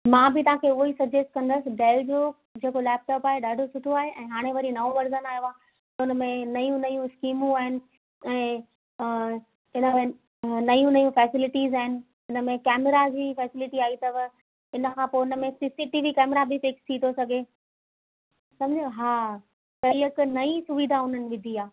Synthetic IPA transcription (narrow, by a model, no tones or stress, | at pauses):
mãːbɪt̪ɐɦãkʰeʊisɐbd͡ʑesʈ̚kɐ̃nd̪əsɪ̆ɖeːld͡ʑoː | d͡ʑeːkolɛːp̚ʈɔːpaːɦeɗaːɖʱosʊʈʰoaːɦeʔɛ̃ːɦaːɽ̃eʋɐɾinɐoʋɐɾzənaːɦjoãː | t̪ɐʊnəmẽnɐjũnɐjũskiːmũaːɦɪnɪ̆ | ɛ̃ː | ɪnəmẽ | nɐjũnɐjũfɛːsɪlɪʈiːzaːɦɪnɪ̆ | ɪnə̆mẽkɛːmɪɾad͡ʑiːfɛːsɪlɪʈiaːɦit̪ɐʋ | ɪnə̆kʰãːpoːɪnəmẽsɪsiʈiʋikɛːmɾabʱɪfɪkst̪ʰiːt̪ʰosɐɡʱe | sɐ̃md͡ʑĩɦaː | kɐɾiəknɐĩsʊʋid̪ʱaʊn̤ənɪ̆ʋɪd̪ʱiaː